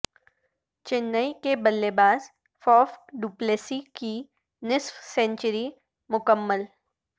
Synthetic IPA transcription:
t͡ʃɪnːəikebəlːebaːz | fɔːfɖupleːsiki | nɪsfsɛ̃ɲt͡ʃəɾi | mʊkəmːəl

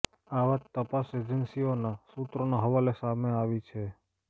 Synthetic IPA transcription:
aʋat̪ːəpased͡ʒənsionasut̪ɾonaɦəʋalesameaʋit͡ʃʰe

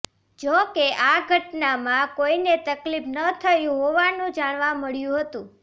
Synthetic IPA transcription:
d͡ʒokeʔaɡʱəʈnamãkoinet̪əklipnət̪ʰəjũɦoʋanũd͡ʒaɽ̃ʋaməɭjũɦət̪ũ

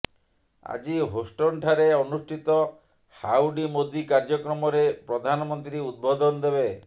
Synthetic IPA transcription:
a̰d͡ʒiɦosʈɔɳʈʰaɾeɔnusʈʰit̪ɔ | hawɖimod̪ikaɾd͡ʒɔkɾɔmɔɾepɾɔd̪ʱanɔmɔnt̪ɾiud̪̚bɔd̪ɔnɔd̪ebe

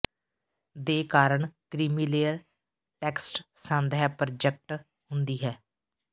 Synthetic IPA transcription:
d̪eːkaːɾəɳkɾiːmiːleːəɾ | ʈɛːksʈsə̃nd̪ɦɛːpɾd͡ʒɛk̚ʈ | ɦʊnd̪iːɦɛː

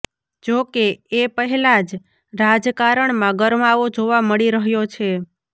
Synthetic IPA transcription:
d͡ʒokeepəɦɛlad͡ʒ | ɾad͡ʒkaɾəɳmãɡəɾmaʋod͡ʒoʋaməɭiɾəɦjot͡ʃʰe

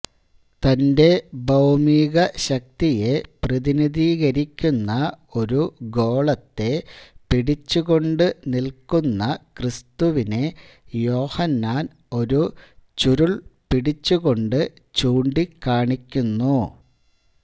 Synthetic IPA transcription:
t̪ɐnde̞bɐwmiːɣɐɕɐk̚t̪ije̞prɐðiniðiːɣɐɾikʲːunːɐo̞ɾuɡo̞ːɭɐt̪ːe̞piɽit͡ɕːuɣo̞ɳɖɨnilkunːɐkrist̪uʋine̞ | jo̞ːhɐnːaːn | o̞ɾut͡ɕuɾuɭpiɽit͡ɕːuɣo̞ɳɖɨ | t͡ɕuːɳɖikːaːɳikʲːunːu

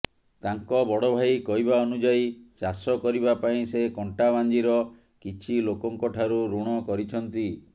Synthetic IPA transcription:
t̪aŋkɔbɔɽɔbʱajkɔɦibaɔnud͡ʒaisasɔkɔɾibapaĩsekɔɳʈaband͡ʒiɾɔ | kit͡ʃʰilokɔŋkɔʈʰaɾuɾuɽ̃ɔkɔɾit͡ʃʰɔnt̪i

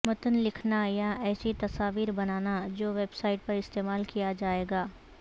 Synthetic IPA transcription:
mɐt̪ənlɪkʰnajaɛːsit̪ɐsaːʋiːɾbɐnaːnad͡ʒoːʋeːbsaːɪʈ̚pɐɾɪst̪eːmaːlkijad͡ʒaːeːɡaː

